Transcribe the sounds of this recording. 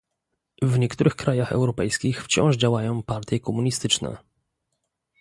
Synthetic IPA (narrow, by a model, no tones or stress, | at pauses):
vɲɛkt̪uɾɘxkɾajaxɛ̰wɾɔpɛjskʲixft͡ɕɔ̰̃w̃ʐd͡ʑawajɔ̃w̃paɾt̪ʲjɛkɔmuɲist̪ɘt͡ʂnɛ̰